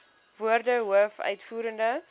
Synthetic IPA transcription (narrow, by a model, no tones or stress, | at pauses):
vuərdəɦuəfœ̰ɥtfuːɾəndə